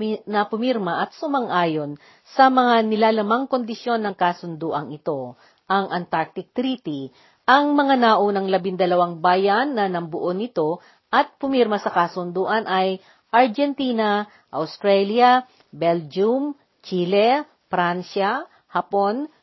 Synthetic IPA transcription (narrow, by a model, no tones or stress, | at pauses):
nɐpʊmiɾmɐʔɐt̪̚sʊmɐŋʔaːjo̞n | sɐmɐŋanɪlaːlɐmaŋko̞nd̪ɪsjo̞nːɐŋkasʊnd̪uːʔɐŋɪt̪o̞ | ʔɐŋʔɐnt̪aɹk̚t̪ɪk̚t̪ɾiːt̪i | ʔɐŋmɐŋanaːʔonɐŋlɐbɪnd̪ɐlɐwaŋbaːjɐnːɐnɐmbʊʔonɪt̪o̞ | ʔɐt̪̚pʊmiɾmɐsɐkasʊnd̪uːʔɐnʔɐj | ʔɐɹd͡ʒɛnt̪iːnɐ | ʔɐwst̪ɾɛljɐ | bɛld͡ʒum | t͡ʃiːlɛ | fɾanʃɐ | hɐpo̞n